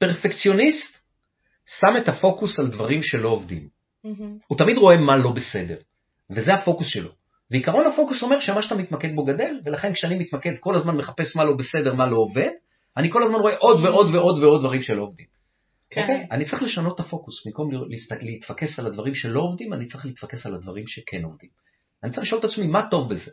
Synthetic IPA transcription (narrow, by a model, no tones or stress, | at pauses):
pe̞ʁfekt͡sjo̞nist̪ | same̞tafo̞kusaldvaʁimʃe̞lo̞ːvd̪ḭm | hut̪amid̪ʁo̞e̞malo̞be̞se̞de̞ʁ | vezehafo̞kusʃe̞̰lo | veikaʁo̞nafo̞kuso̞me̞ʃemaʃat̪amit̪make̞d̪̚bo̞ɡade̞lve̞laχe̞nkʃeanimit̪make̞d̪ko̞lazmanmeχapesmalo̞bese̞de̞ʁmalo̞ːve̞d | aniko̞lazmanʁo̞e̞ʔo̞d̪veʔo̞d̪veo̞d̪veo̞dvaʁimʃelo̞ovd̪im | okejanitt͡saʁiχle̞ʃano̞t̪ːafo̞kusmimko̞mllisliːt̪fake̞salad̪vaʁimʃe̞lo̞ovd̪imanitt͡sʁiχliːt̪fake̞saladvaʁimʃe̞kʰe̞no̞vd̪im | anit͡sʁiliʃot̪at͡smimato̞vbe̞ze